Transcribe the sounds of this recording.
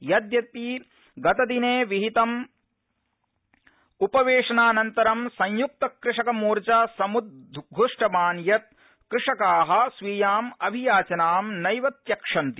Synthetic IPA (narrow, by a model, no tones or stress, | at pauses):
jɐd̪jɐt̪i | ɡɐt̪ɐd̪ineːʋiɦit̪ɐm | upɐʋeːʂɐnaːnɐnt̪ɐɾɐmsɐ̃ɲjuk̚t̪ɐkɾɪʂɐkɐmuːɾt͡ʃɐsɐmud̪̚ʱɡʱuʂʈɐbaːnjɐt̪̚ | kɾɪʂɐkaːɦɐ̆sʋiːjaːmɐbʱijaːt͡ʃɐnaːmnɐjʋɐt̪jɐkʂɐnt̪i̥